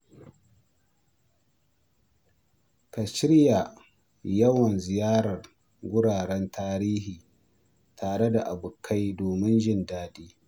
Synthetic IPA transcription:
ka˨ʃɪ˦ɽja˨ | jɐ˦wɐ˨nzɪ˨jaː˦ɾɐ˨r | ɡʷʊ˦ɽaː˨ɽɛ˦ntʰaː˦ɾiː˦hiː˨ | tʰaː˨ɽe˦da˨ʔa˨bʊ˨kʰːa˦jdoː˨mɪ˦nd͡ʒɪ˦ndaː˦diː˦

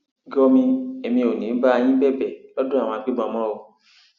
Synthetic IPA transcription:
ɡɔ˧mĩ˧e˨mĩ˧o˨nĩ˨˦ba˦a˧j̃ĩ˦bɛ˦˨bɛ˨lɔ˦dõ˦a˨wɔ̃˧a˧k͡pi˦ɡ͡bɔ̃˧˨mɔ̃˦o˨

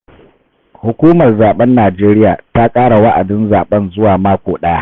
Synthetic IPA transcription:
hʊ˨kʷuː˦mɐ˨rzaː˨ɓɛ˦nːaː˨d͡ʒeː˦ɾɪ˦jaː˨ta˦kʼaː˦ɽa˨wa˦ʔa˨dɪ˦nzaː˨ɓɐ˦nzʊ˦waː˨maː˦kʷoː˨ɗaː˦

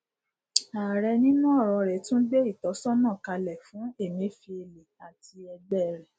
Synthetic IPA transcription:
aː˨ɾɛ˧nĩ˦nũ˦ɔ˦˨ɾɔ˧ɾɛ˨tũ˦de˦i˦˨tɔ˨˦sɔ˦nã˦˨ka˧lɛ˨fũ˨˦e˦˨mĩ˨˦fi˧e˧le˨a˨ti˧ɛ˧ɡ͡bɛ˦˨ɾɛ˨

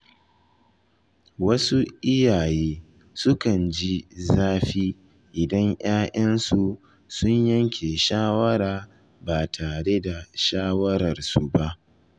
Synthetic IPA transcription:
wɐ˦su˦ʔɪ˦jaː˨jeː˦ | sʊ˦kɐ˨nd͡ʒi˦zaː˦ɸiː˦ | ʔɪ˨dɐ˦ɲj̰aː˦ʔɐ˦nsu˨ | sʊ˦ɲjɐ˦ŋkʲʰe˨ʃaː˦wɐ˦ɾaː˨ | baː˨tʰaː˨ɽe˦da˨ʃaː˦wɐ˦ɾɐ˨rsu˨ba˦ʔ

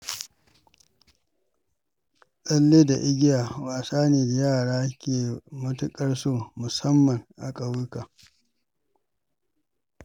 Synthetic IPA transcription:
ɗɐ˦lːeː˦da˨ʔɪ˦ɡʲɪ˦jaː˨waː˨saː˦neː˨da˨jaː˦˨ɽaː˦kʲeː˨mʊ˦tʊ˦kʼɐ˦rsoː˦˨mʊ˨sɐ˦mːɐ˨ŋʔa̰˨kʼa˨wɪ˦kaː˨

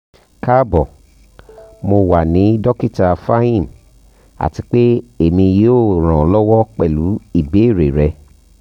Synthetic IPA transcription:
ka˦bɔ˨ | mo˧wa˨nĩ˨˦dɔ˦ki˦ta˧fa˦ĩ˦˨n | a̰˨ti˧k͡pe˦e˦˨mĩ˧je˦o˦˨ɾ̃ã˨lɔ˦wɔ˦k͡pɛ˦˨lu˨˦i˦˨be˨˦˨ɾe˨ɾɛ˧

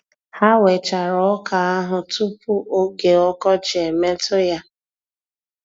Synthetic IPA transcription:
ha˦we˨t͡ʃa˨ɾɔ˨˦ka˨a˦ɦʊ˨tu˦pu˦ʔo˦ɡe˨ɔ˦kɔ˦t͡ʃɪ˨e˨me˦tʊ˦ja˦

